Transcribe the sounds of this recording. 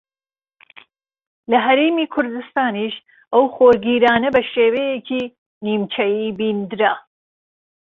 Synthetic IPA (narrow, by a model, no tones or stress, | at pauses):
lɐɦɐɾeːmiːkʰʊɾd̪ɨst̪aːniʃ | ʔɐwxoːɾɡiːɾaːnɐbɐʃeːwejekʰi | niːmt͡ʃʰɐjiːbiːnd̪ɨɾa